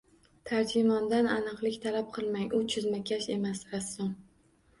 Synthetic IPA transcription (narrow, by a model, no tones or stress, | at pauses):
t̪ʰaɾd͡ʒɪmɒnd̪ananɨqlˠɪkʲt̪ʰalap̚qʰɨlˠmaŋʔʊt͡ʃʰʊzmakʲʰaʃe̞masɾasːʊm